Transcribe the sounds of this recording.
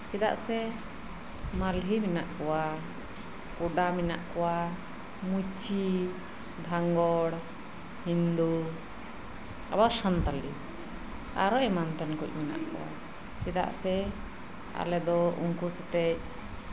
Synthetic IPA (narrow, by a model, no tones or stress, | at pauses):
t͡ʃid̪a̰ʔsɛ | malɦiminaʔkɔwa | kuɖaminaʔkɔwa | mut͡ʃi | d̪ʱaŋɡɔɽ | hind̪u | a̰basant̪ali | a̰ɾɔʔɛmant̪ɛnkuc̚mina̰ʔkɔ̰wa̰ | t͡ʃid̪a̰ʔsɛ | a̰lɛd̪ɔṵŋkusɛt̪ɛc̚